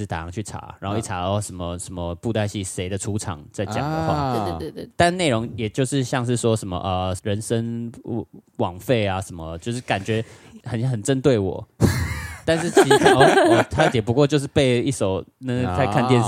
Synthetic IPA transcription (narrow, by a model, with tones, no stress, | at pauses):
t̪a˨˩ɑ˨˥ŋt͡ɕʰy˥˩ʈ͡ʂʰa̰˨˥ɻa̰˨˧no˥˧i˥˩ʈ͡ʂʰa˧˥ɔ˧˩ʂə˧˥nmə˧ʂə˧˥nmə˧pu˥˧t̪a˥˧ɪɕi˥˩ʂe˧˥ɪd̪ə˨ʈ͡ʂʰu˧˥ʈ͡ʂʰɑ̰˨˩ŋt͡sa˥˩ɪt͡ɕjɑ̰˨˩ŋd̪ə˦xwa̰˥˩t̪n˦ne˥˩ɪɻo˧˦ŋjɛ˨˩t͡ɕjo˥˧ʊʂɻ̩˥˧ɕjɑ˥˧ŋʂɻ̩˥˩swɔ˦ʂə˧˥nmə̰˧ʔə˧˩ɻə˧˦nʂə˦ŋ | wɑ˨˩ŋfe˥˩ɪa˨˩ʂə˧˦˥nmə˧t͡ɕjo˥˧ʊʂ̬̩˥˩ka˨˩nt͡ɕɥɛ˧˥ | xə˨˩nxə˨˩nt͡sə˦nt̪we˥˩ɪwɔ̰˨˩˦ | t̪a˥˧nʂ̬ɻ̩˥˩t͡ɕʰt̪ʰa˥˩t̪jɛ˨˩p̬u˧kwɔ˥˧t͡ɕjo˥˧ʂ̬ɻ̩˥˧pe˥˧ɪi˥˩ʂo˨˩ʊnə˧˦˨t͡sa˥˧ɪkʰa˥˧nt̪jɛ˥˧n